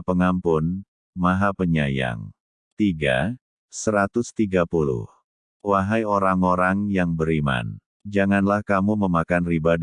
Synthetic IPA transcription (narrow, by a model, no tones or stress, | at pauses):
pəŋampʊn | maɦapəɲaja̰ŋ | t̪iɡa̰ | səɾat̪ʊst̪iɡapulʊ̰h | waɦajoɾaŋoɾaŋjaŋbəɾima̰n | d͡ʒaŋanlahkamuməmakanribad